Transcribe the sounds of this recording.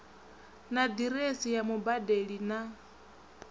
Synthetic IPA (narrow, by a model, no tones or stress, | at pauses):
nad̪iɾesijamubadeɺina